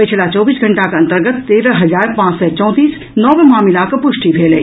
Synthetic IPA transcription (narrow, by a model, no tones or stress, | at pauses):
pɪt͡ʃʰlat͡ʃɔːbiːsɡʱɐɳʈakaɐ̃nt̪əɾɡət̪ːeːɾəɦɐzaːɾpãːt͡ʃsɔt͡ʃɔ̃ːt̪iːs | nɔːʋemaːmɪlakpʊʃʈipʰeːle